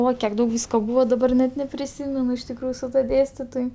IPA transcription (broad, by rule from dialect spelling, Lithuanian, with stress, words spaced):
ˈoːɪ kʲiɛk ˈdɐʊk ˈʋʲiːskoː ˈbuːʋoː dɐˈbɐr nʲɛt nʲɛpʲrʲɪˈsʲiːmʲɛnʊ ɪʃ tʲɪkˈruːjʊ sʊ ˈtuɔ ˈdʲeːsʲtʲɪtoːj